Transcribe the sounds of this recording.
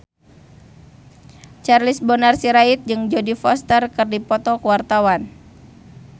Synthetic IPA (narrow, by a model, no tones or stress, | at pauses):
t͡ʃarlisbɔnarsiɾait̪̚d͡ʒɨŋd͡ʒodifɔst̪ərkɨrdipɔt̪ɔkəwart̪awan